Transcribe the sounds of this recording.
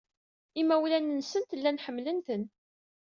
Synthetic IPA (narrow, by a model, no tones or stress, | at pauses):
imːæwlænənsənt̪əlːænħəmːlənt̪ən